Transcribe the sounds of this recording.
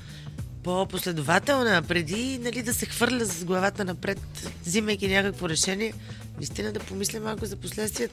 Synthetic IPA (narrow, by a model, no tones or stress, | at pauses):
poposlɛd̪ʊvat̪ɛlˠnəpɾɛd̪inɐlid̪ɐsɛxvɤɾlʲəszɡlˠɐvat̪ənɐpɾɛt̪ziməjk̟inʲakəkvoɾɛʃɛniɛ | nɐist̪inəd̪ɐpomislʲɛmalˠkʊzɐposlɛt̪st̪vʲiɛt̪